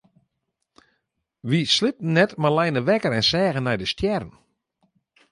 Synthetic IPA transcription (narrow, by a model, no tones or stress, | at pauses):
ʋislɪp̚n̩ːɛtmalɛjnəʋɛkəɾɛnsɛːɣənːɛjdəstjɛrən̩